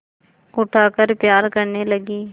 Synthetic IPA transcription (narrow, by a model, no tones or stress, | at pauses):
ʊʈʰaːkəɾpjaːɾkəɾneləɡiː